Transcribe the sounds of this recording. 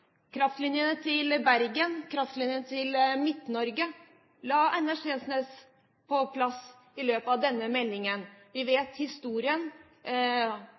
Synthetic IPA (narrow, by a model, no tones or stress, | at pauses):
kʰɾɑft̪lɪnjənət̪ʰɪlbæɾɡənkʰɾɑft̪lɪnjənət̪ʰɪlmɪt̪nɔɾɡə | lɑːʔɛnæʂeːsneːs | pʰɔpʰlɑs | ɪløːpəɑʋd̪ɛnːəmɛlːɪŋənʋɪʋeːt̪hɪst̪uːɾɪən